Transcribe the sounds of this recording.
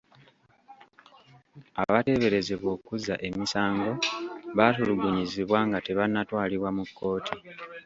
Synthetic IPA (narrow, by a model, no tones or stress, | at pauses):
a̰βate̞βe̞ɾe̞zeβwo̞ːkuza̰ʔe̞misaːŋɡo̞βatuluɡuɲiziβwaːŋɡate̞βanːatwaːliβwamukːo̞ːtʰi